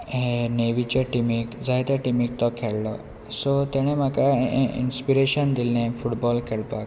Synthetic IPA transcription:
ɦeneʋit͡ɕɔʈimikd͡zʱajt̪jaʈimik̚t̪ɔkʰeɭlɔ | sot̪ɛɽ̃em̤akaḭnspiɾeɕənd̪ilnẽfuʈbɔlkʰeɭpak

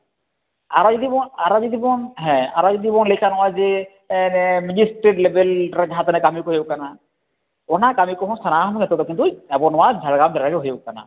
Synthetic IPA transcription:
a̰ɾɔd͡ʒɔd̪ibɔaɾɔd͡ʒɔd̪ibɔnɦɛ̃a̰ɾɔd͡ʒɔd̪ibɔnlɛkʰanɔwazɛ | nɛmid͡ʒisʈɾeʈlebɛlɾad͡ʒaɦãt̪ɛnɛkamikɔɦjkana | ɔnakamikɔɦɔ̃nst̪ʰanaɦɔmuɛt̪ɔt̪ɔkint̪uɛbɔnɔwad͡ʒʱaɾɡamdaɾaɡɛɦɔjɔkːana̰

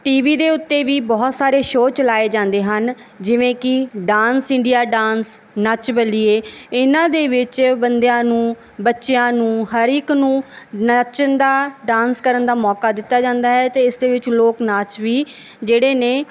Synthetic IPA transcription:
ʈiːʋiːd̪eːʊt̪ːeːʋiːbɔːt̪saːɾeːʃoːt͡ʃəlaːeːd͡ʒãːnd̪eːɦən | d͡ʒɪʋẽːkɪɖaːnsɪ̃ɳɖijaːɖaːns | nət͡ʃbəliːeːɪnãːd̪eːʋɪt͡ʃbənd̪ejãːnũː | bətːʃejãːnũːɦəɾɪknũːnət͡ʃənd̪aːɖãːnskəɾənd̪aːmɔːkaːd̪ɪt̪ːaːd͡ʒãːnd̪aːɦɛːt̪eːɪsd̪eːʋɪt͡ʃloːknaːt͡ʃʋiː | d͡ʒeːɽeːneː

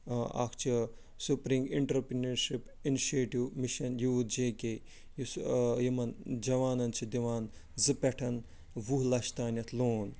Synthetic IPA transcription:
a̰kʰt͡ʃʰi | supɾiŋɡiɳʈɐɾpɾinɐɾʃip | iniʃeːʈiwmiʃɐnjuːt̪d͡ʒeːke | jusjimɐnd͡ʒɐʋaːnɐnt͡ʃʰid̪iʋaːnzɨpɛʈʰɐn | ʋuɦlɐʃt̪aːnʲɐt̪ʰloːn

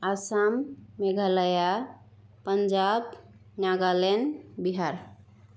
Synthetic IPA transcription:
asamːeɡʱaləja | pənd͡ʒab | naɡalenbiɦaɾ

